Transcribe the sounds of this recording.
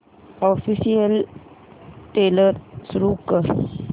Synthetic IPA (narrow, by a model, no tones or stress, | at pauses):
ɔfisiəl | ʈeləɾsɾukəɾ